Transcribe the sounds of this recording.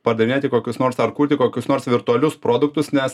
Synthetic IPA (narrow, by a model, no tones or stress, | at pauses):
pɐɾd̪ɐʋʲnʲeːt̪ʲɪkoːkʲʊsnoːɾsɐɾkuːt̪ʲɪkoːkʲʊsnoːɾsʋʲɪɾt̪ʊɔlʲʊspɾoːd̪ʊk̚t̪ʊsnʲɛs